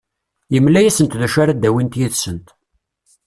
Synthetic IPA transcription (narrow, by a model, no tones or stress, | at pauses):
jəmlæjæsənt̪ðæʃaɾad̪æwint̪jiðsənt̪